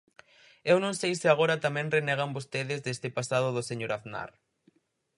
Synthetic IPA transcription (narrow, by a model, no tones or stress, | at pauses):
ewnõŋsejsɪaɣ̞oɾɐt̪amɛ̃ŋrenɛɣ̞ambost̪eðɪzðest̪ɪpasaðʊðʊseɲoɾaθna̰ɾ